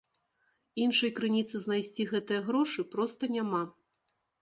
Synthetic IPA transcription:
inʂɐjkɾɨnʲit̪sɨznajsʲt͡sʲiɣɛt̪ɨjɐɣɾɔʂɨpɾɔst̪ɐnʲama

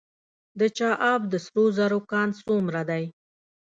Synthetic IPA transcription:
d̪ət͡ʃɑʔɑb̚d̪əsɾozaɾokɑnsomɾad̪aj

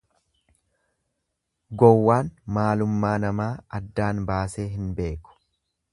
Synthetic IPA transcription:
ɡɔwːaːnmaːlʊmːaːnɐmaːɐd̪ːaːnbaːse̞ːɦɪnbe̞ːkʊ̥

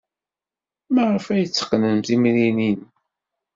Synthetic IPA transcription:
məʁəfæjət͡sːə̥qːnəmθimninin

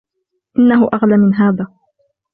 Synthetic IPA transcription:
ʔɪnːaɦʊʔaɣlaːmɪnɦaːðaː

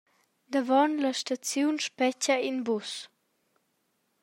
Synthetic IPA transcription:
d̪əvɔnləʃtat͡sjunʃpɛcəinbus

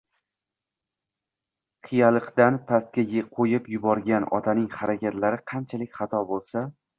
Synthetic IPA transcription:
qʰɨjalˠɨqd̪anpʰast̪̚kʲajqʰojɪpjʊbɒɾɡʲanɒ̰t̪ʰanɪŋχaɾakʲat̪laɾɪqʰɑnt͡ʃʰalɪkʲχɑt̪ʰɒbolˠsa

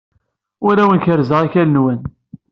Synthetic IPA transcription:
ʊɾæwənçəɾzəʁiçælənwən

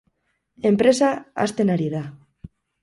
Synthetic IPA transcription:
empɾesaa̰st̪enaɾiða

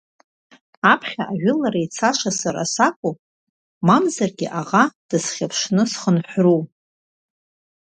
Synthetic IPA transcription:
apʰχʲaʔaʒᶣʷʊlaɾait͡sʰaʂasaɾa̰sakʷʼu | mamzarɡʲɪʔaʁad̥ɨsχʲapʰʂnɨsχənħʷru

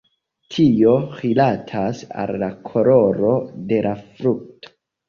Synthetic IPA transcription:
tʰio̞ʁilatʰasa̰lːakʰo̞ɾo̞ɾo̞de̞lafɾuk̚tʰo̥

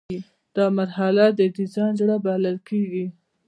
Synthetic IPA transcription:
i | d̪̥ɑmaɾɦalad̪əd̪izɑjnd͡ʒɽabaləlkeɡi

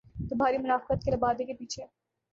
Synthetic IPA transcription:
t̪ʊbʱaːɾimʊnaːfqət̪̚kelɐbaːd̪ekepiːt͡ʃʰe

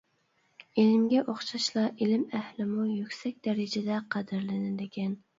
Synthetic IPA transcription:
elɪmɡʲɛʔoχʃɑʃlˠɑʔelɪmæhlɪmujykʲsɛk̚ʲd̪ɛɾɪd͡ʒɛd̪ɛqʰɑd̪ɨɾlɪnɪd̪ɪkʲɛn

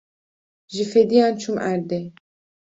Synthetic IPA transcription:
ʒifɛd̪ijɑːnt͡ʃʰumʔæɾd̪ɛ

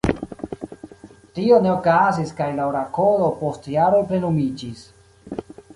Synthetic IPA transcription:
tio̞ne̞okaziskajlaoɾako̞lo̞po̞stjaɾolpɾe̞numid͡ʒis

